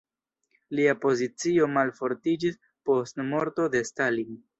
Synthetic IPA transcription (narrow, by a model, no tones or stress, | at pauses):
liapo̞zit͡sio̞malfo̞ɾtid͡ʒis | po̞stmo̞ɾto̞d̪e̞stalin